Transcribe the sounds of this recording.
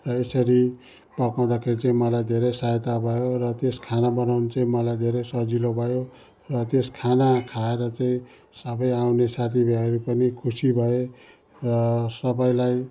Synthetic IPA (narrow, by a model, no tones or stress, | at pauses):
rʌesʌɾi | pʌkaw̃d̪akʰeɾit͡saĩmʌlajd̪ʱeɾʌjsajt̪abʱʌjorʌt̪eskʰanabʌnawnet͡saĩmʌlajd̪ʱeɾʌjsʌd͡zilobʱʌjo | rʌt̪eskʰanakʰaeɾʌt͡saĩ | sʌbʌjawnesat̪ʰibʱaʌɾupʌnikʰusibʱʌe | rʌsʌbʌjlaj